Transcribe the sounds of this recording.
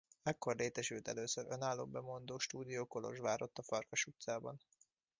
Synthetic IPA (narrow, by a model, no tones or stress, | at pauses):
mɛkːo̞rleːt̪ɛʃylt̪ɛløːsøɾø̞naːlːo̰ːbɛmo̞nd̪oːʃt̪uːd̪ijoːkolo̞̰ʒʋaːɾo̞t̪ːɒfɒrkɒʃut̪saːbɒn